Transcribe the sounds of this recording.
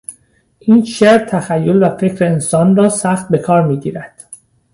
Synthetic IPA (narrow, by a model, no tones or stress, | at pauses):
ʔiːnʃeɾt̪ʰæxæjːolvæfe̞cʰɾeːnsɒːnrɒːsæxt̪̚be̞kʰɒːɾmiːɟḭːɾæd̪̥